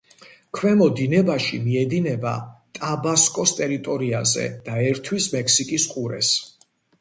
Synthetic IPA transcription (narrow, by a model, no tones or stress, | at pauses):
kʰwɛmɔd̪inɛbaʃimiɛd̪inɛba̰t̪ʼabaskʼɔst̪ʼɛɾit̪ʼɔɾiazɛ̰d̪̥aɛɾt̪ʰwismɛkʰsikʼisqʼuɾɛ̰s